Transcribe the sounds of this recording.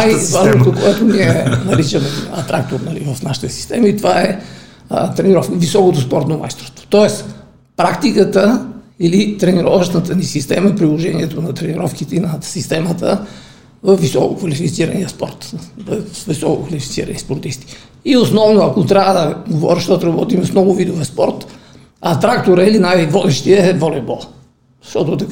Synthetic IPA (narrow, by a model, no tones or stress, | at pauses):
ajvaʒnot̪okoɛt̪oniɛnɐɾit͡ʃəmɛɐt̪ɾak̚t̪oɾnɐlḭvəfnaʃi̥t̪əsi̥st̪ɛməit̪ovaɛ | t̪ɾɛniɾɔfkəvisɔkot̪ospɔɾt̪noma̰jst̪ɾost̪v̥o̥t̪ɔɛs | pɾakt̪ikət̪əilit̪ɾɛniɾɔvəʃnət̪ənisist̪ɛməɛpɾilˠoʒɛniɛt̪onɐt̪ɾɛniɾɔfkit̪ɛinɐsist̪ɛmət̪ə | vɐfːisɔkokvɐlifit̪siɾɐ̰niəspɔ̰ɾt̪vɐvisɔkokvɐlifit̪sḭɾɐ̰nispoɾt̪ist̪i̥ | iosnɔvnoɐkot̪ɾʲavəd̪ɐɡovɔ̰ɾəʃt̪ɔt̪oɾɐbɔt̪imɛfnɔɡʊvid̪ovɛspɔɾt̪ | ɐt̪ɾak̚t̪oɾəilinajvɔd̪ɛʃt̪iəɛvɔlɛbɔ | ʃt̪ɔt̪ot̪ɐk